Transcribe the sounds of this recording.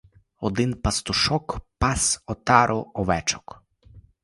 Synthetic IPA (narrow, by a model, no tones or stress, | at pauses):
ɔd̪ɪnpɐst̪ʊʃɔkpɑsɔt̪ɑɾʔɔɔʋɛt͡ʃɔ̥k